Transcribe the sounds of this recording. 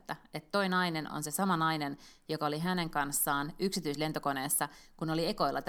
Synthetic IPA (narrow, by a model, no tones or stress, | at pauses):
t̪ːæet̪to̞inɑineno̰nse̞sɑmɑnɑinenjokɑoliɦæne̞ŋkɑnsːɑːnyksit̪yisle̞nt̪oko̞ne̞ːsːɑkuno̞lieko̞ilːɑt̪